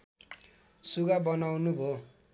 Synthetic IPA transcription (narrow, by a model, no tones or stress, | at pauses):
suɡabʌnawnubʱo